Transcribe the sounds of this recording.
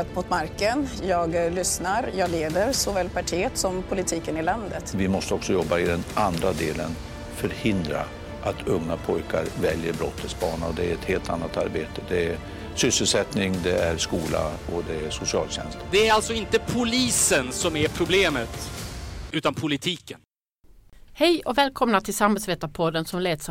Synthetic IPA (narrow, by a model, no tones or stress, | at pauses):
t̪mʊt̪maɾkənjɑːɡlʏsnaɾjɑːɡleːd̪əɾsɔvɛːlpaʈʰiːət̪sɔmpʰʊlɪt̪ʰiːkənɪland̪ət̪vɪmɔst̪əɔksɔjɔbːaɪd̪ɛnʔand̪ɾad̪eːlən | fœɾhɪnd̪ɾa̰ | ʔat̪ʰɵŋːapʰɔjkʰaɾvɛljəɾbɾɔ̰t̪ʰːəsbɑːɳaɔd̪ɛæɾɛt̪heːlt̪ʰa̰nːat̪a̰ɾbeːt̪əd̪ɛæ | sʏsəlsɛt̪nɪŋd̪ɛæɾʂkuːla̰ɔd̪ɛæʂʊsɪɑːlɕɛ̰nst̪d̪ɛæɾalt̪sɔɪnt̪əpʰʊliːsənsɔmæɾpʰɾʊbleːmət̪ | ʉ̟ːt̪anpʰʊlɪt̪ʰiːkən | hɛjɔvɛːlkʰɔmnat̪ʰɪlsamhɛlsveːt̪apʰɔd̪ːənsɔmleːt̪s